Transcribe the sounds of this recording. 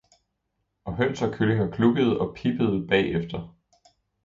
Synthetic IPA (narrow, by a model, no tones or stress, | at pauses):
ɒ̽ɦøn̰sɒkʰøleŋɐkʰluɡ̥əð̞̩ˠɒ̽pʰib̥əð̞̩ˠb̥ɛ̰ːefd̥ɐ